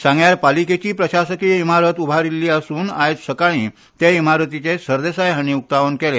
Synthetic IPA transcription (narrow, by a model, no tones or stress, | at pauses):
sãŋɡjaɾpaliket͡ɕiːpɾəɕasəkijimaɾət̪ubʱaɾilːiːəsuːnajt̪səkaɽ̃iː | t̪eimaɾət̪it͡ɕesəɾd̪esajɦəñiuk̚t̪aʋənkele